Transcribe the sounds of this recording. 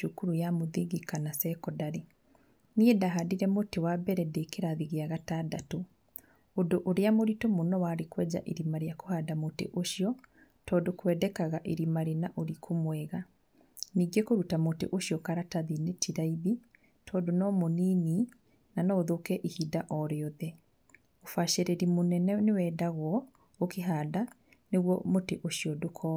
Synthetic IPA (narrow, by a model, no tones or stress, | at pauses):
ʃukuɾujamoðiɣekanasɛkɔdaɾe | niɛdaɦadiɾɛmotewabɛɾɛdekeɾaðiɣeaɣataːdato | odoʔoɾeamoɾitomonɔwaːɾekwɛd͡ʑa̰ʔeɾimaɾeakohadamotḛʔoʃjɔ | tɔːdokwɛdɛkaɣaʔeɾimaɾenaʔoɾikʰomwɛɣa | niːɡekoɾutamotḛʔoɕiɔkaɾataðinetʰiɾaiβi | tʰɔːdonɔmonini | nanɔoðokɛʔihidaʔɔɾeɔðɛ | ofaʃeɾeɾimonɛnɛnewɛːdaɣwɔ | okeɦaːda | neɣwɔmoteʔoʃiɔdokʰɔ